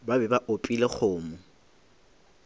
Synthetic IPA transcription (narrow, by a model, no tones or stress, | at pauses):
babɛbaʔopʼilek͡xʰʊːmʊ